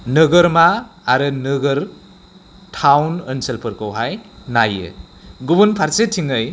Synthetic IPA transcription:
nɯɡɯɾmaːɾɯnɯɡɯɾ | tʰawnɐnsɐlpʰɯɾkʰowɦajnajɯ̰ɡubunpʰaɾsetʰiŋɯj

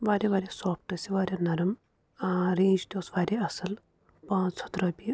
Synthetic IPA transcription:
ʋaːɾʲeʋaːɾʲesoːp̚ʈɐsiʋaːɾʲjanɐɾɐm | ɾẽːd͡ʒt̪ʲosʋaːɾʲeɐsɐl | pãːt͡sʰɐt̪ɾɐːpi

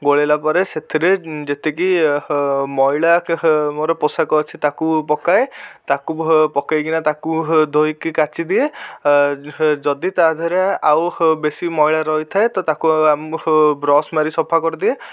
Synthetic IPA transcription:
ɡoɭelapɔɾeset̪ʰiɾed͡ʒet̪eki | mɔjɭamoɾɔpɔsakɔːt͡ʃʰit̪akupɔkaet̪akupɔkajkinat̪akud̪ʱojkikat͡ʃid̪ie | d͡ʒɔd̪it̪aɦd̪ʱɔɾeawbesimɔiɭaɾɔjt̪ʰaet̪ɔt̪akuambɾɔsmaɾisɔpʰakɔɾid̪ie

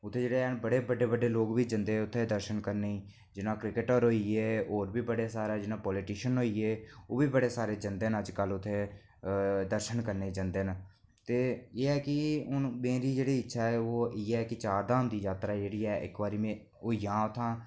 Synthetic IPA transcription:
ʊt̪ʰːeːd͡ʒeːɽeːɛbəɽeːbəɖeːbəɖeːloːkbiːd͡ʒənd̪eːʊt̪ʰːeːd̪əɾʃənkəɾneːiː | d͡ʒɪnãːkɾɪkɪʈəɾɦoːiːeːoːɾbiːbəɽeːsaːɾaːd͡ʒɪnãːpɔːlɪʈiːʃənɦoːiːeːoːbiːbəɽeːsaːɾeːd͡ʒənd̪eːnəd͡ʒkəlʊt̪ʰːeː | d̪əɾʃənkəɾneiːd͡ʒənd̪eːn | t̪eːeːɛːkɪʊnmẽːɾiːd͡ʒeːɽiːɪtːʃʰaːɛːoːiːɛːkɪt͡ʃaːɾd̪ãːɦʊ̃nd̪iːd͡ʒaːt̪ɾaːd͡ʒeːɽiːɛːʔɪ̰kbaːɾiːmẽː | oːjãːʊt̪ʰːãː

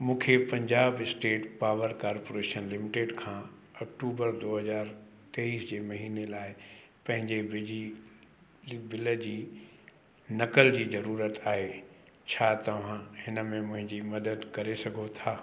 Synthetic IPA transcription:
mũːkʰepɐ̃ɲd͡ʑaːbɪsʈeːʈpaːʋəɾkaːɾpoːɾeːʃənlɪmɪʈeːɖkʰãː | ɐkʈuːbəɾd̪oːɦɐzaːɾ | t̪eiːsd͡ʑeːmɐɦiːnelaːɪ | pɐ̃ɦɪ̃ɲd͡ʑebi | bɪlə̆d͡ʑiː | nɐkəld͡ʑiːzɐɾuːɾət̪aːɦe | t͡ɕʰaːt̪ɐʋ̤ãhɪnə̆mẽmʊ̃ɦɪ̃ɲd͡ʑimɐd̪əd̪kɐɾesɐɡʱot̪ʰaː

